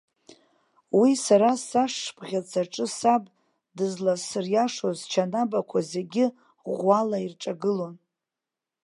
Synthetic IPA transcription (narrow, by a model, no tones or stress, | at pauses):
wisaɾasaʂbʼʁʲat͡sʰaʈ͡ʂʼɨsabʼ | dɨzlasɨrjaʂozt͡ʃʰanabakʷʰaze̞ɡʲɪ | ʁʷalairʈ͡ʂʼaɡɨlo̞n